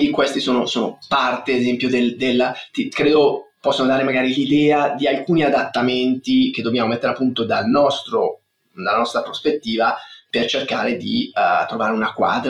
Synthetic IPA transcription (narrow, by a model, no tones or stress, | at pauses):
d̪ikwest̪isoːnosoːnopart̪eezɛmpjod̪eld̪elːt̪ikɾeːd̪opɔsːonod̪aːɾemaɡaːɾilid̪ɛːad̪ialkuːniad̪at̪ːament̪ik̟ed̪ːobjaːmomɛt̪ːeɾeapːunt̪od̪alnɔst̪ɾo | d̪alːanɔst̪ɾapɾospet̪ːiːvapert͡ʃerkaːɾed̪it̪ɾovaːɾeunakwa̰ːd̪ɾ